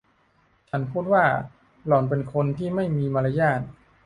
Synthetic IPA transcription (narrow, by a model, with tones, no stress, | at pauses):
t͡ɕʰa˦˥˩npʰuː˥˩t̪̚waː˥˩ | lɔː˨˩np̬e˧nkʰo˧nt̪ʰiː˥˩ma˥˩jmiː˧ma˧la˧˥jaː˥˩t̪̚